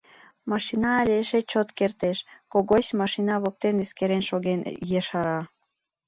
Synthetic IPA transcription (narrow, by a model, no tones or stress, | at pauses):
mɑʃinɑːlʲeʃet͡ɕot̪kert̪eʃkoɣoɕmɑʃinɑβok̚t̪eneskeɾenʃoɣenjeʃɑɾɑ